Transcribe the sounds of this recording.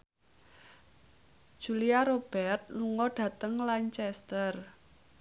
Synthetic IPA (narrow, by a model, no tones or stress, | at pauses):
ʒ̥ṳliaɾob̥ɛrt̪̚luŋɔɖ̥ä̤t̪əŋlaɲt͡ʃɛst̪ər